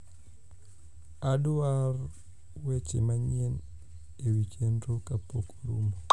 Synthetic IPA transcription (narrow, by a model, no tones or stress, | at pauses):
adʊar | wet͡ʃḛmaɲen | ewikendokapokɾumo